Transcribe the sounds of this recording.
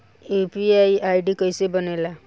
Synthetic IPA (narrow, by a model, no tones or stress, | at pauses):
epiajajɖikʌjsebənela